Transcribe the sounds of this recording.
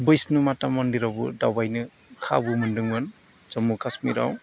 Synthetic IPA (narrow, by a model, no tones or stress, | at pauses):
bɯjsnumatamɔndiɾawbṵdawbajnɯ | kʰa̰bɯmɯndɯŋbɯn | zɔmukʰasmḭɾa̰w